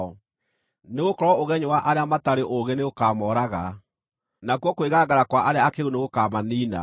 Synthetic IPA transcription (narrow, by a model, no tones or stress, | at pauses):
ɔ | neɣokɔɾɔoɣɛɲowaʔaɾeamataɾeʔoɣeneokaːmɔːɾaɣa | nakwɔkoweɣaɡaɾakwaʔaɾeaːkeɣuneɣokaːmaniːna̰